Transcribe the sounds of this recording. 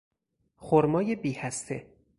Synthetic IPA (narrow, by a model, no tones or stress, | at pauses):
xoɾmɒːjebiːhæst̪ʰe